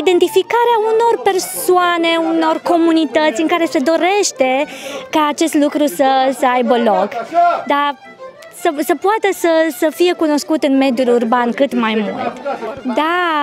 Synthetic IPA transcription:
id̪e̞nt̪ifikaɾeauno̞rpe̞rsoane̞uno̞rko̞munit̪ət̪sʲɨŋkaɾe̞se̞d̪o̞ɾe̞ʃt̪e̞kaːt͡ʃe̞st̪lukɾusəsəajbəlo̞kd̪a | səsəpoat̪əsəsəfije̞kuno̞skut̪ɨnme̞d̪julurbankɨt̪majmṵlt̪d̪a

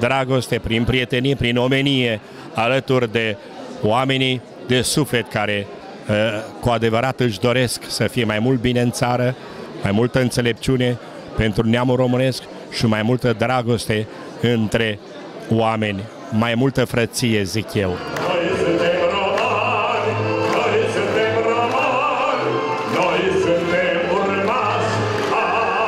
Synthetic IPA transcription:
d̪ɾaɡo̞st̪e̞pɾinpɾije̞t̪e̞niepɾino̞me̞nije̞ | alət̪urʲd̪e̞ | oame̞ni | d̪e̞sufle̞t̪kaɾe̞ | kuad̪e̞vəɾat̪ɨʃd̪o̞ɾe̞sksəfijemajmult̪̚bine̞ɨnt̪saɾə | majmult̪əɨnt̪se̞le̞p̚t͡ʃiune̞ | pe̞nt̪ɾuneamuro̞mɨne̞sk | ʃimajmult̪əd̪ɾaɡo̞st̪e̞ | ɨnt̪ɾe̞ | oame̞nʲ | majmult̪əfɾət̪sije̞zikjewnojsunt̪emɾomanʲnojsunt̪emromanʲ | nojsunt̪emunɾema | s

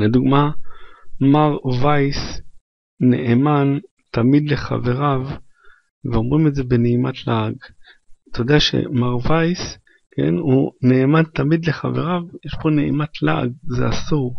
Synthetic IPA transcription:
led̪uɡma | maʁvajs | neʔeman | t̪amid̪le̞χa̰ve̞ʁav | veo̞mʁimetzebe̞neimat̪laːɡ | t̪ʰodeaʃḛmaʁvajs | ke̞̰nune̞ːmant̪amid̪le̞χave̞ʁavjeʃbo̞neimat̪ʰla̰ʔa̰ɡzḛasuʁ

